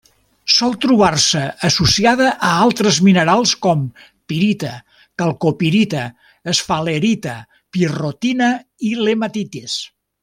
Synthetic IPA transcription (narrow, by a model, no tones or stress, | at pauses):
sɔlˠt̪ɾuβ̞arsəːsusiaðəʔəalˠt̪ɾəzminəɾalˠskɔm | piɾit̪ə | kalˠkopiɾit̪əː | sfaleɾit̪ə | pirot̪inəilemat̪it̪es